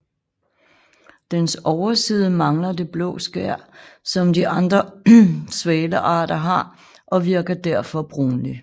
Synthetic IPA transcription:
d̥ensɒʊɐsiːð̞ˠəmɑ̈ŋlɐd̥e̝b̥lɔ̰̽ːsɡ̥æɐ̰sɒ̽md̥iʔɑ̈nd̥ʁɐ | sʋɛːləʔɑ̰̈ːd̥ɐɦɑ̈ | ʔɒ̽ʋiɐɡ̥ɐd̥æɐ̰fɒ̽b̥ʁuːnli

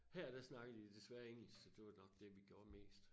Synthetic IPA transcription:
hæɐd̥æsnɑ̈ɡ̥ð̩ˠʋid̥e̝sʋæɐe̝ŋl̩ssɒd̥e̝ʋɑ̥̈nɒ̽ɡ̥̚d̥e̝ʋiɡ̥jo̝ɐ̰me̝̰ːsd̥

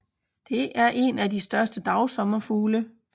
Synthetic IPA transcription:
d̥e̝ʔæɐʔe̝næd̥isd̥ɶɐsd̥əd̥ɑ̈ʊsɒ̽mɐfuːlə

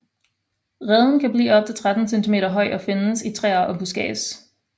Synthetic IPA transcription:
ʁɛð̞ˠn̩kʰæb̥lḭːɒ̽b̥̚t͡sʰe̝t͡sʰʁad̥n̩sent͡sʰime̝̰ːɾɐɦɒ̽ɪɒ̽fe̝nsit͡sʰʁɛ̰ːɐʔɒ̽b̥usɡ̥ɛ̰ːs

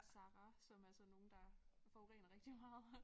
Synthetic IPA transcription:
sɑ̈ʁɑsɒ̽mælsɒ̽no̝ːn̩d̥ɑ̈fɒʊʁḛːnɐʁeɡ̥̚d̥imɑ̈ːð̩ˠ

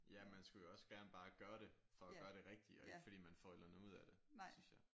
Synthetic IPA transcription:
jæmænsɡ̥ujoɒ̽sɡ̥æɐnəb̥ɑ̈ːɡ̥ɶːɐɾe̝ | fɒ̽æɡ̥ɶːɐɾ̥e̝ʁɛɡ̥̚d̥iɒ̽e̝ɡ̥əfɒ̥ḭːmænfɒ̰elɐnuð̞̰ˠæɾ̥e̝d̥synsjɑ̈ɪ

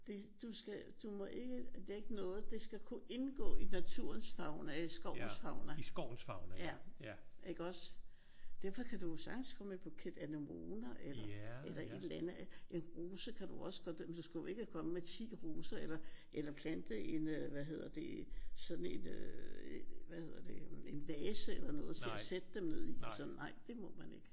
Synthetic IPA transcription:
d̥e̝d̥usɡ̥æd̥umɔ̽ʔe̝ɡ̥ədeɡ̥ənɔ̽ːð̞̩ˠd̥esɡ̥ækʰuʔe̝nɡ̥ɔ̰̽ːinæt͡sʰuɐ̰nsfɑ̈ʊnəsɡ̥ɒʊn̩sfɑ̈ʊnəsɡ̥ɒʊ̰n̩sfɑ̈ʊnjæ | eɡ̥əɒ̽s | d̥eɐfɒ̽kʰæd̥ujosɑ̈ɡ̥n̩skʰɒ̽mepʰɔ̽kʰed̥ænomoːnɐʔelɐelɐʔe̝d̥lænəʔe̝nʁo̝ːsəkʰæd̥uɒ̽sə̥ɡ̥ʰɒd̥mend̥usɡ̥æjo̝e̝ɡ̥əkʰɒ̽məmet͡sʰḭːʁoːsɐelɐʔelɐpʰlænd̥əe̝nʋæɦe̝ð̞̰ˠɐd̥e̝sɒ̽d̥n̩e̝nø | ʋæhe̝ð̰ˠɐd̥e̝e̝nʋɛːsəelɐnɔ̽ːð̞̩ˠt͡sʰeæsed̥əd̥emne̝ð̰ˠid̥sɒ̽n̩nɑ̈ɪ̰d̥e̝mɔ̽mæne̝ɡ̥ə

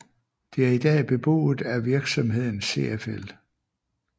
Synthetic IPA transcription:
d̥e̝æɐid̥ɛ̰ːb̥e̝b̥o̝̰ːð̩ˠæʋiɐɡ̥sɒ̽mɦe̝ð̰ˠn̩se̝ːefel

